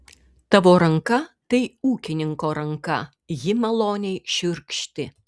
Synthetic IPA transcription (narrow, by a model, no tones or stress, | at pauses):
t̪ɐʋoːɾɐŋkɐt̪ɐɪuːkʲɪnʲɪŋkoːɾɐŋkɐ | jɪmɐlˠoːnʲɛɪʃʲʊɾʲkʃʲt̪ʲɪ